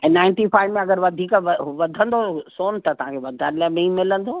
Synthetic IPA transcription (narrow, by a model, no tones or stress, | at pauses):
ɛ̃ːnãːɪ̃nʈifaːɪʋmẽɐɡəɾʋɐd̪ʱiːkʋɐd̪ʱə̃nd̪osoːnt̪ɐt̪ɐɦãkʰeʋɐd̪ʱanɪlaːɪmẽĩmɪlə̃nd̪oː